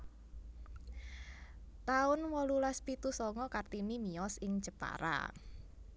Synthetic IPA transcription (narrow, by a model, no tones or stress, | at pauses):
t̪aʊnwɔlulaspit̪usɔŋɔkart̪imimiɔsɪŋt͡ʃəpa̰ɾa̰